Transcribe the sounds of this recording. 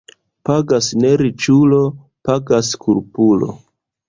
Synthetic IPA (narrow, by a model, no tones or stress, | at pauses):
paɡasne̞ɾit͡ʃulo̞ | paɡaskuɾpulo̞̰